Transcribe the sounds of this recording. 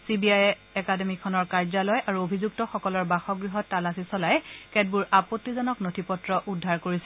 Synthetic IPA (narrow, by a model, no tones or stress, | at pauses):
sibiajɛ | ɛkademikʰɔnɔɹkaɹzalɔjʔaɹuobʱizuk̚tɔxɔkɔlɔɹbaxɔɡɹiɦɔtːalasisɔlajɛkɛd̚buɹʔapotːizɔnɔknotʰipɔtɹɔʔudʱːaɹkoɹisɛ